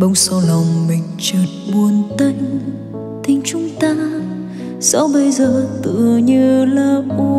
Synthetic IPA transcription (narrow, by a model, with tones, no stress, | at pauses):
ɓə˧˦wŋ͡msa˧wla˨˩wŋ͡mmï˨˩ŋ̟t͡ɕɨː˨˩t̚ɓu˨˩ənt̪ə˧ŋ | t̪ʰï˧ŋ̟t͡ɕʊ˨˦ŋ͡mt̪aː˧ | sɔ̰˧˥˦wɓə˧jzəː˨˩t̪ɨ̰˧˨əɲɨ˧laː˨˩ku˧